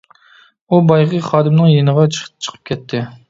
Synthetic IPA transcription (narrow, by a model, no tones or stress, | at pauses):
ubɑjʁəχɑːd̪ɪmnɨŋjenəʁɑt͡ʃt͡ʃʰə̥qʰə̥p̚kʲʰɛt̪ʰːɪ